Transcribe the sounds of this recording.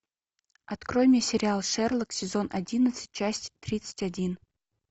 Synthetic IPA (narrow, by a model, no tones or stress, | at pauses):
ɐt̪kɾo̞jmʲɪjəsʲɪɾʲɪalˠʂɛrlˠəksʲɪzo̞nʔɐdʲinət̪sɨ̥t̚ʲt͡ɕasʲtʲt̪ɾʲit̪sɨ̥tʲɐdʲin